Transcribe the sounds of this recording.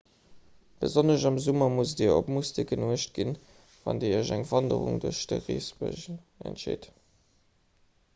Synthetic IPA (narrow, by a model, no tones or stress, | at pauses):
b̥əzonəʃɑmzumɐmusdiːɐopmustik̚ɡənuəʃt̚ɡ̥in | vɑ̰ndiːiʑæŋv̥ɑndə̰ʁṵŋduɐʃd̥əʁiːsbə̰ʒn | æ̰ntʃḛːt